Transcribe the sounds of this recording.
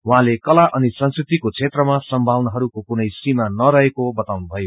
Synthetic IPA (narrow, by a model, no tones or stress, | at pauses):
wɦãlekʌlaʔʌnisʌnskrit̪ikot͡sʰet̪rʌmasʌmbʱawnʌɦʌɾukokunʌjsimanʌɾʌɦekobʌt̪awnubʱʌjo